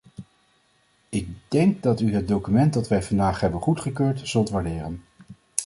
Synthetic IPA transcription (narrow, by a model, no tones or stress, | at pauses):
ɪk̚dɛŋk̚dɑtyɦəd̚dowkymɛntdɑtʋɛjvɑndaːχɦɛbənχutχəkøːɹtz̥ɵlˠtʋaɹdɪːrən